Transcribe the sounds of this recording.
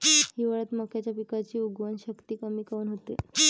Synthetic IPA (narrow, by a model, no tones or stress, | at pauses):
ɦiʋəɭət̪məkjat͡ɕjapikat͡ɕiːuɡʋənɕəkt̪iːkəmiːkəʋuːnɦot̪ḛ